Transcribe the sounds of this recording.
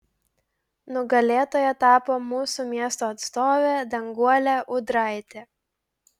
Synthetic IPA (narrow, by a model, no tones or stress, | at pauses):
nʊɡɐlʲeːt̪oːjɛt̪ɑːpoːmuːsuːmʲiɛst̪oːɐt̪st̪oːʋʲeːd̪ɐŋɡuɔlʲæːʔʊd̪ɾɑˑɪt̪ʲeː